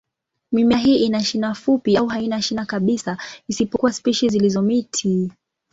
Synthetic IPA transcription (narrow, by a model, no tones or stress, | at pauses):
mimaɦiːʔinaʃinafupiauɦainaʃinakaɓisaisipɔkuwaspiʃizilizɔmitʰi